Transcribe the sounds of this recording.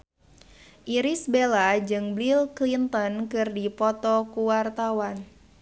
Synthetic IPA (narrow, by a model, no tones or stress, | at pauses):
ʔiɾisbelad͡ʒɨŋblilklint̪ɔnkɨrdipɔt̪ɔkuwart̪awan